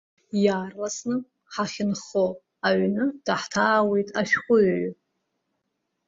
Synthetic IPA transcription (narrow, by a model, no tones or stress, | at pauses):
jaːrlasnɨ | ħaχʲɪnχo | aɥnɨd̥aħtʰaːwe̞jtʼaʃᶣχʷʊʕ